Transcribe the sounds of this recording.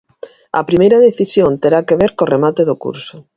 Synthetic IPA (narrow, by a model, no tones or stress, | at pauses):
ɐ̰pɾimejɾɐðeθisjont̪eɾakeβeɾkoremat̪eðokṵɾsʊ